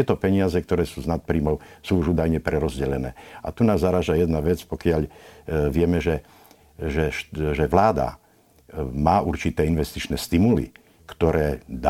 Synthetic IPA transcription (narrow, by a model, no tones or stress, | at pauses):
ɛt̪ɔpɛɲɪazɛkt̪ɔɾɛːsuːznat̪̚pɾiːmɔʊsuːuʒuːd̪ajɲɛpɾɛɾɔzɟɛʎɛnɛːa̰t̪unaːzːaɾaːʒajɛd̪naʋɛt͡spɔkɪaʎʋɪɛmɛʒɛ | ʒɛʃʒɛʋlaːd̪a̰ | maːuɾt͡ʃit̪ɛːinʋɛst̪it͡ʃnɛst̪imulḭ | kt̪ɔɾɛːd̪a